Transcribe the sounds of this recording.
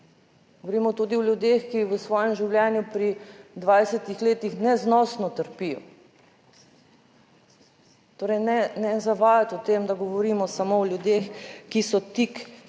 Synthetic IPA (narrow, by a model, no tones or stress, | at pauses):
ɡoʋɔɾiːmɔt̪uːd̪iɔljud̪eːxkiʋəsʋɔːjɛmʒiwlʲjɛːnjupɾid̪ʋaːjsɛt̪ixleːt̪ixnɛznɔsnɔt̪əɾpijɔ̰ | t̪oːɾɛjnɛnɛzaʋaːjat̪ɔt̪emd̪aɡɔʋɔɾimɔsamoɔlʲjud̪exkisɔt̪ik